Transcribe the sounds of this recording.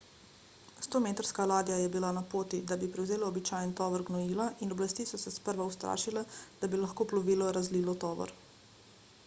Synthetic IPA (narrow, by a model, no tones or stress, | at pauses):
st̪oːmeːt̪əɾskalaːd̪jajɛbilanapoːt̪id̪abipɾɛwzeːlaːbit͡ʃaːjnt̪ɔːʋəɾɡnɔjiːlaʔinɔblast̪isɔsɛspəɾʋauwst̪ɾa̰ːʃilɛd̪̥abilaxkoːplɔʋiːlɔɾazliːlɔt̪ɔːʋɔ̰ɾ